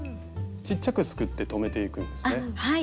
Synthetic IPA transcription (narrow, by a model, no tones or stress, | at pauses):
t͡ɕit͡ɕːakɯ̟sɨ̥kɯ̟t̪ːe̞t̪o̞me̞t̪e̞ikɯ̟̃nd̪e̞sɨnehai